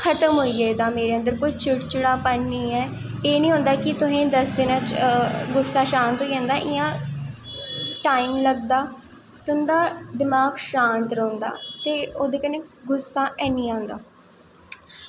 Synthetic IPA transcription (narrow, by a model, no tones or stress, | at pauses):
kʰət̪əmɦoːiːɛːd̪aːmeːɾeːə̃nd̪əɾkʊd͡ʒt͡ʃʰʊʈt͡ʃəɽaːpənːiːɛː | eːnĩːɦʊ̃nd̪aːkɪt̪ʊsẽːd̪əsd̪ɪnãt͡ʃɡʊsːaːʃãːnt̪ɦoːiːãːnd̪aːʔɪjãː | ʈaːimləɡ̚d̪aː | t̪ʊ̃nd̪aːd̪ɪmaːɡʃaːnt̪ɾoːnd̪a̰ːt̪eːoːd̪eːkənẽːɡʊsːãːʔɛːnĩːãːnd̪aː